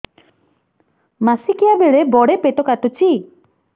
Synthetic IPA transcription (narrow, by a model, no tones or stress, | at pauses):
masikijabeɽebɔɽepeʈ̪okat̪ot͡ʃi